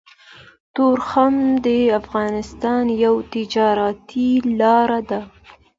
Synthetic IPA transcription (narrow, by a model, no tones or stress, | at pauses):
t̪oɾxamd̪əafɣɑnɪst̪ɑnjawt̪ɪd͡ʒɑɾat̪ilɑɾad̪a